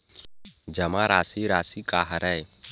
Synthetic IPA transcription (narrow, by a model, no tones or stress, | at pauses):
d͡ʒəmaɾaːsiɾaːsikaɦɾɛe